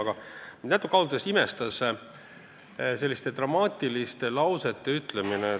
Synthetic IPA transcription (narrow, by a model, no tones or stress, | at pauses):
ɡ̥ɑnæt̪ːˑukːˑɑwld̪̥esime̞st̪ɑs | se̞lːist̪e̞t̪rɑmɑːt̪ʲˑilist̪e̞lɑwse̞t̪ːe̞yt̪lemine